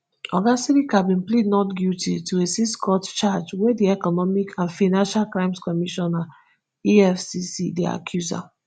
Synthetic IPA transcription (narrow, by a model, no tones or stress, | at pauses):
ɔɡasiɾikabĩnplidnɔtɡjutʰḭtʰuesiskɔtt͡ʃad͡ʒwɛdiɛkɔnɔmikʰãnfaɪnãnʃalkɹãɪ̃mskɔmiʃɔna | iɛfsisḭdɛ̰a̰kʰjuza̰